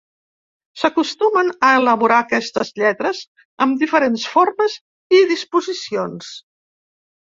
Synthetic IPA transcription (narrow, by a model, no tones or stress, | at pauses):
səkust̪umənəələβuɾakɛst̪əzʎɛt̪ɾəz | əmd̪ifəɾensforməz | iðispuzisions